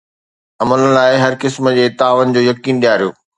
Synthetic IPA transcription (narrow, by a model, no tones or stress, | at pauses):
ɐmələn̆laːɪɦɐɾkɪsməd͡ʑeːt̪aːʋənɪ̆d͡ʑoːjɐkiːnɗijaːɾijo̰ː